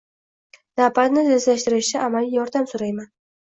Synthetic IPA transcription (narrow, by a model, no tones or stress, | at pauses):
napalnɪzezlaʃt̪ɪɾɪʃt͡ʃʰaʔamalijɒɾd̪amsoɾajman